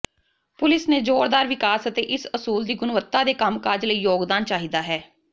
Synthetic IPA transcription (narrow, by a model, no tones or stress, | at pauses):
pʊlɪsneːd͡ʒoːɽd̪aːɾʋɪkaːsət̪eːʔɪsəsuːld̪iːɡʊnʋət̪ːaːd̪eːkəmkad͡ʒləiːjoːɡd̪aːnt͡ʃaːɦid̪aːɦɛː